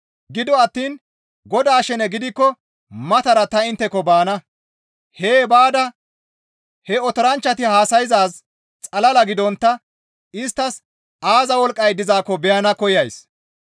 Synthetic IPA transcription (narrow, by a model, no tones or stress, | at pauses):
ɡɪd̪ɔɐt̪ːiːn | ɡɔd̪aːʃɛnɛɡɪd̪ɪkːɔ | mɐt̪ɐɾɐt̪ɐɪnt̪ːɛkːɔbaːnɐ | heːbaːd̪ɐ | hɛɔt̪ɔɾɐnt͡ʃːɐt̪ɪhaːsɐjzaːs | t͡sʼɐlɐlɐɡɪd̪ɔnt̪ːɐ | ɪst̪ːɐs | aːzɐwɔlkʼːɐjd̪ɪzaːkːɔbɛjɐnɐkɔjɐjs